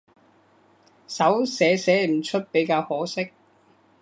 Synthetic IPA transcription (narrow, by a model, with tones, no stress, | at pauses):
sɐ˨˥wsɛː˨˥sɛː˨˥m̩˨˩t͡ʃʰɵ˥t̚pe˨˥jkaː˧whɔː˨˥sɪ˥k̚